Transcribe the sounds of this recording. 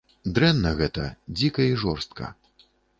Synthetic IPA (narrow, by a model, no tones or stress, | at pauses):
d̪ɾɛnːɐɣɛt̪ɐd͡zʲikɐiʐɔrst̪kʰɐ̰